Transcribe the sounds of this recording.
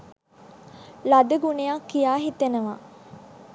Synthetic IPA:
lad̪əɡunejakːijaːɦit̪enəʋa

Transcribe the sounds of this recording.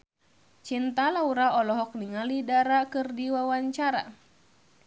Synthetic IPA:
t͡ʃint̪alauɾaɔlɔɦɔk̚niŋalidaɾakɨrdiwawaɲt͡ʃaɾa̰

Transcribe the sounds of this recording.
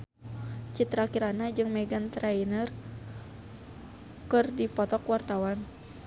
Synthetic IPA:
t͡ʃit̪ɾakiɾanad͡ʒɨŋmɛɡant̪ɾainər | kɨrdipɔt̪ɔkwart̪awan

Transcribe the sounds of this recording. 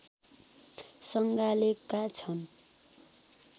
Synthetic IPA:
sʌŋɡalekat͡sʰʌn

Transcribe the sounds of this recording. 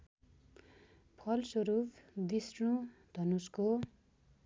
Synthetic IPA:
pʰʌlsoɾubd̪isrũd̪̥ʱʌnusko

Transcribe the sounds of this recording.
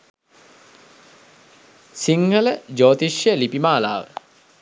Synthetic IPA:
siŋhələd͡ʒoːt̪iʃjəlipimaːla̰ːʋə

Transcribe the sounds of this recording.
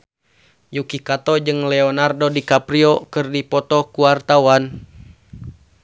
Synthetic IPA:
jukikat̪ɔd͡ʒɨŋlɛɔnardodikapɾiɔkɨrdipɔt̪ɔkuart̪awan

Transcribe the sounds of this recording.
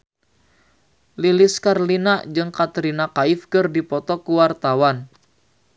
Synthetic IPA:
liliskarlinad͡ʒɨŋkat̪ɾinakaɪfkɨrdipɔt̪ɔkuwart̪awan

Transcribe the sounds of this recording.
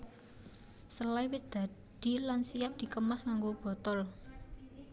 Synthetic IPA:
səlaiwɪsd̪̥ä̤d̪̥i̤lansijap̚d̪̥i̤kəmasŋaŋɡob̥ɔ̤t̪ɔl

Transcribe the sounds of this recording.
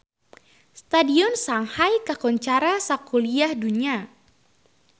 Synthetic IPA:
st̪adiɔnsaŋhajkakɔɲt͡ʃaɾasakuliahduɲia

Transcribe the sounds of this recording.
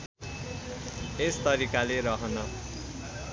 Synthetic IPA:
est̪ʌɾikaleɾʌɦʌnʌ

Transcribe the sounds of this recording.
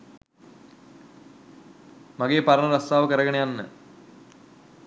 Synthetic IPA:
mɐɡeːpɐɾɐɳɐɾɐst̪aːʋəkəɾɐɡɐɳejanːə

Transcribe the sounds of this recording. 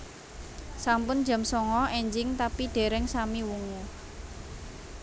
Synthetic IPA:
sampʊnd̥d͡ʒa̤msɔŋɔɛɲd͡ʒɪŋt̪apiɖ̪̥e̤ɾɛŋsamiwuŋu

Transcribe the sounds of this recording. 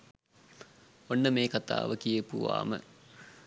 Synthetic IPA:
onːəmeːkat̪a̰ːʋəkijəpuʋa̰ːmə̰

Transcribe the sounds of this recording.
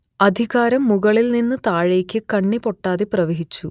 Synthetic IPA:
ɐd̪ʱiɣaːɾɐmːuɣɐɭilninːɨt̪aːɻe̞ːkʲːɨkɐɳːipo̞ʈːaːðeprɐʋeɦit͡ɕːu

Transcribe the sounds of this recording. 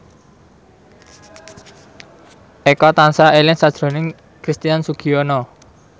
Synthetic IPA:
ʔekɔt̪ansaʔelɪŋsad̥ʒ̥ɾo̤nɪŋ | kɾist̪ijansuɡ̥ionɔ

